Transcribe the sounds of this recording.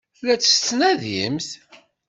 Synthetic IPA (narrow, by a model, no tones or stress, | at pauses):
læt͡sːə̥st͡s̪ːnæðjḭmθ